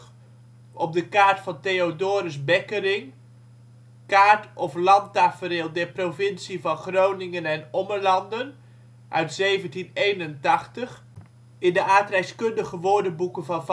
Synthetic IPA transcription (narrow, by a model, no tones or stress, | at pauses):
ɔp̚dəkaːɹtfɑntejodoːɾəsbɛkərɪŋ | kaːɹtɔflɑntaːfəɾɪːlˠdɛɹprovɪnsivɑnχrownɪŋənɛnɔməɹlɑndən | ʔœɥtsejvəntinejnəntɑχtəχ | ɪndəʔaːtrɛjskɵndəχəʋoːɹdənbukənvɑnv